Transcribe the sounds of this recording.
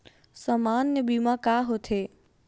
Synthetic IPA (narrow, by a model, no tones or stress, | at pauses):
səmaːnːebimãkaːɦot̪ʰeː